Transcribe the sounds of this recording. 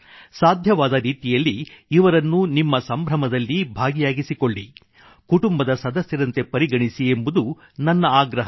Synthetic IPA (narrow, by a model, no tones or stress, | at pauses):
saːd̪ʱjɐʋaːd̪ɐɾiːt̪ijɐlːiːʋɐɾɐnːunimːɐsɐmbʱɾɐmɐd̪ɐlːibʱaːɡijaːɡisiko̞ɭːi | kuʈumbɐd̪ɐsɐd̪ɐsjɐɾɐnt̪e̞pɐɾiɡɐɳisie̞mbud̪u | nɐnːɐaːɡɾɐɦɐ